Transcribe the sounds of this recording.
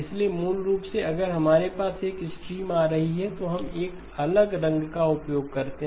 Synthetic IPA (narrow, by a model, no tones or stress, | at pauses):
ɪsliemuːlɾuːpseɐɡəɾɦɐmaːɾepaːseːkɪsʈɾiːmaːɾɐɦiɦɛt̪oɦɐmeːk | ɐləɡɾɐ̃ŋɡkaʊpjoːɡ̚kɐɾt̪eɦ